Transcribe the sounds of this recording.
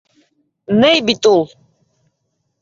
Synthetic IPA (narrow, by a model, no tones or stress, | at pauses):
nɛjbit̪ʼulˠ